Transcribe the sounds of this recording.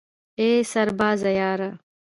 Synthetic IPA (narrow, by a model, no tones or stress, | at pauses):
eːsɐɾbaːzɐjaːɾɐ